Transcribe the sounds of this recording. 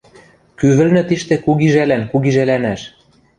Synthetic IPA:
kyβɘ̆lnɘ̆t̪iʃt̪ĕkuɣiʒælænkuɣiʒælænæʃ

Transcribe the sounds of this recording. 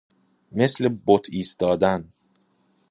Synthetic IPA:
me̞slebot̪ʰiːst̪ɒːd̪æn

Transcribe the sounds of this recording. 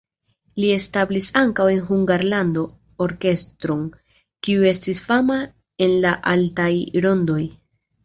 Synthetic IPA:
lie̞stablisaŋkawe̞nɦuŋɡaɾlando̞ | oɾke̞stɾo̞n | kiue̞stisfama | e̞nlaʔaltajɾo̞ndo̞j

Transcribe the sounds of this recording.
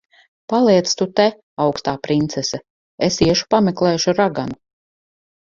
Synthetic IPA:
palˠiɛt̪st̪ut̪ɛ | awkst̪aːpɾint̪sɛsɛ | esiɛʃu̥pameklˠɛːjuʃuɾaɡanu

